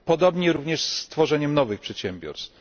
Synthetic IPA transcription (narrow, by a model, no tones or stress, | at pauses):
pɔd̪ɔbɲɛɾuvɲɛʂst̪fɔʐɛɲɛmnɔvɘxpʂɛt̪ɕɛmbʲjɔ̰ɾst̪f